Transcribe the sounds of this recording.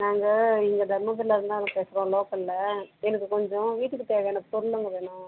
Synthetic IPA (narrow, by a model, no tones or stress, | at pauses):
naːŋɡɐɪŋɡɐd̪ʱɐɾmɐtɪɾlːɐɾɯnd̪ãːɐðɐ̃peːsɪɾõloːkɐɪlːɐɛnɐkːɯkɔɲd͡ʒɔ̃ʋiːʈːɯkːɯt̪eːʋɐɛnɐkːɯpɔɾʊlːɐŋɡɐʋeːɳʊ̃ː